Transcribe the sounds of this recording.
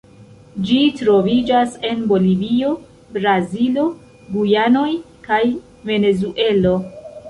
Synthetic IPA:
d͡ʒitɾo̞vid͡ʒase̞nbo̞livio̞ | bɾazilo̞ | ɡujano̞j | kaj | ve̞ne̞zuʔe̞lo̞

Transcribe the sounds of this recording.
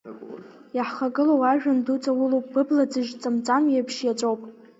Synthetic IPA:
jaħχaɡʼɨlowaʒᶣandut͡sʰʼawʊlowpʼb̥ɨblad͡zɨʒt͡sʼɨmt͡sʼamjepʰʃjat͡ʃʼowpʼ

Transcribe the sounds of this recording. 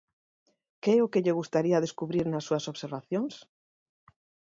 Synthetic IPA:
keɛʊkeʎeɣ̞ust̪aɾiaðeskuβɾiɾnasːuɐsoβseɾβaθjoŋs

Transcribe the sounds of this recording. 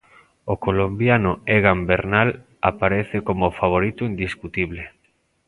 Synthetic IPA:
okolombjanoeɣambeɾnal | apaɾeθekomofaβ̞oɾit̪uind̪iskut̪iβle

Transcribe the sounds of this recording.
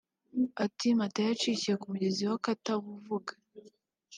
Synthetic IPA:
atimatajat͡ʃicije̞kumuɟe̞ziwakataβuvuɡḁ

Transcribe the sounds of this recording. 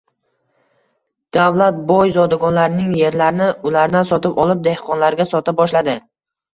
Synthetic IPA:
d̪̥avlat̪̚bɒjzɒd̪aɡɒnlaɾɪnɪŋje̞ɾlaɾɪnɪʊlaɾd̪ansɒt̪ɪpɒlˠɪp̚d̪e̞hqʰɒnlaɾɡʲasɒt̪ɪp̚bɒʃlad̪ɪ

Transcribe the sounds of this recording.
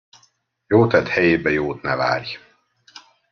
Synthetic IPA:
joːt̪ɛd̪hɛjeːbɛjoːt̪nɛva̰ːrj

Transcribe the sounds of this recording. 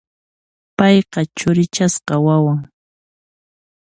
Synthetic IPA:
pɑjqɑt͡ʃʊɾɪt͡ʃasqɑwawaŋ

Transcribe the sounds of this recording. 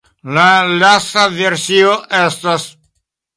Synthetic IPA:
lalastaveɾsioʔest̪as

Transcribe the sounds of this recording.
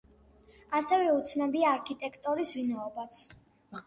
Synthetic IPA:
asɛvɛut̪sʰnabiaːɾkʰit̪ʼɛkʰt̪ʼɔɾisvinaɔbat̪sʰ

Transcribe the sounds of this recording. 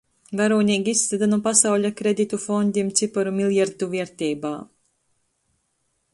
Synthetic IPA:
vaɾuːniːɡʲiist̪ːɛd̪anupasawʎʲakɾed̪it̪ufɔnd̪ʲimt̪sipɔɾumilˠjaɾt̪uviɛɾt̪iːbaː

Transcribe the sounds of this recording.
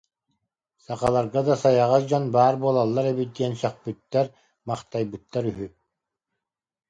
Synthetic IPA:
saqalˠaɾɡad̪asajaʁasd͡ʑɔnbaːɾbuɔlˠalˠːaɾɛbid̪iɛnsœq̚pyt̪ːɛɾ | maχt̪ajbɯt̪ːaɾyɦy

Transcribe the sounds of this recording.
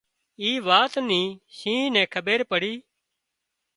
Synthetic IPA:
iːʋaːt̪nĩːʃĩːnɛ̃ːkʰəɓeːɾpəɽiː

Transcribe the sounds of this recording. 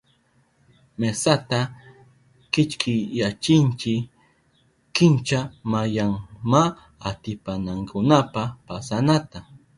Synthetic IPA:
mesat̪a | kɪt͡ʃkʰɪjjat͡ʃɪnt͡ʃɪ | kɪnt͡ʃamajaŋma | at̪ɪpanaŋkʰʊnapapasanat̪a

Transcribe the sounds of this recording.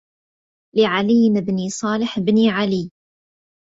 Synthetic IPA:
lɪʕaliːnɪbnisˤɑːlɪħbniʕaliː

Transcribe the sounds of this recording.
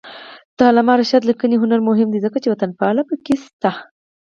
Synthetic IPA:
t̪ɑlamɑɾaʃad̪likəniɦʊnaɾmʊɦɪmd̪izəkat͡ʃewat̪anpɑlapəkist̪a

